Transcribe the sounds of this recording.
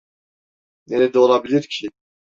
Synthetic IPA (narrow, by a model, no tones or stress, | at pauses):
nɛɾɛd̪olabiliɾcʰi